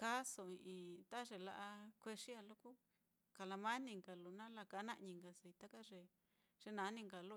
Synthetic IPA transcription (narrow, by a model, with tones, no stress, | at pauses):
ka˦so˨i˧ʔĩ˧t̪a˦ʐe˨la˧ʔa˧kʷe˧ʂi˦a˧lo˦ku˦ | ka˨la˧mã˦nĩ˧˨ŋɡa˨lu˨nã˦la˧ka˧˨˦nã˦ʔɲĩ˧ŋɡa˧si˧t̪a˦ka˦ʐe˨ | ʐ̥e˧nã˧˦nĩ˧ŋɡa˨lu˦